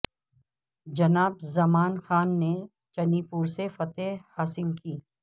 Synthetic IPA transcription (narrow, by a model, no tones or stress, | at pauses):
d͡ʒɐnaːbzɐmaːnxaːnːe | t͡ʃɐnipuːɾsefɐt̪ehaːsɪlkʰiː